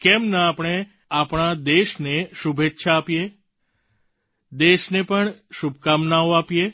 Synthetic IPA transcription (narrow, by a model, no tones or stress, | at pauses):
kɛmnaːpɽ̃e | apɳ̃ad̪eʃneʃubʱetːʃʰaːpije | d̪eʃnepəɳʃubkamnaoapje